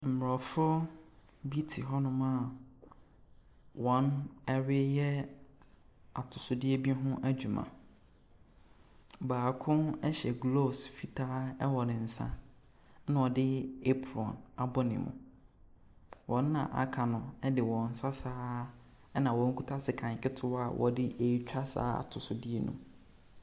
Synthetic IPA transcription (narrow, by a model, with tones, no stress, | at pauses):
m̩˨m˨ɾɔ˨fʊ˦ | bi˦tʰi˨ɦɔ˦nʊ̃˦mã˦˨ | wɔ̃˨˦nɛ˦ɾɪ˦jɛ˦ | a˨tʰʊ˨sʊ˨dɪ˦ɛ˦bi˦ɦʊ̃˦ʔæ˦d͡ʑᶣu˨mã̰˨ | baː˨kʰʊ̃˦nɛ˦ɕɛ˨ɡlo˦˨sfi˨tʰaː˦ɛ˦wɔ˨nɪ̃˨n̩˨sã̰˦ | nã˨ɔ˨dɪ˦e˦pʰɾɔ̰̃˨na˨bɔ˦nɪ̰̃˨mʊ̰̃˨ | wʔɔ̃˨˦nː˦ã̰˨ʔa̰˦kʰa˨nʊ̃˨ɛ˦dɪ˨wɔ̃˨n̩˨˦sa˦saː˦ | ɛ˦nã˨wɔ̃˨˦ŋ̩˦kʰu˦tʰa˦sɪ˨kʰã˨ŋ˨kʰɪ˦tʰʊ˦a˨wʔɔ̰˨dɪ˦ʔe˨i˦t͡ɕᶣa˦sa̰ː˦a̰˨tʰʊ˨sʊ˨dɪ˦e˦nṵ̃˨